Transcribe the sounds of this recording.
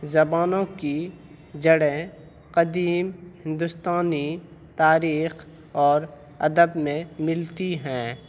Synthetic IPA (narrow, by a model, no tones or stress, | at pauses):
zɐbaːnõki | d͡ʒɐɽẽ | qəd̪iːmhɪ̃nd̪ʊst̪aːnit̪aːɾiːx | ɔːɾ | ɐd̪əbmẽmɪlt̪iɦɛ̃ː